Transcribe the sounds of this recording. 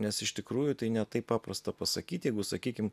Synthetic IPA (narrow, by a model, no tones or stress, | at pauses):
nʲɛsɪʃt̪ʲɪkɾuːjʊt̪ɐɪnʲɛt̪ɐɪpːɑːprɐst̪ɐpɐsɐkʲiːt̪jɛɪɡʊsɐkʲiːkʲɪm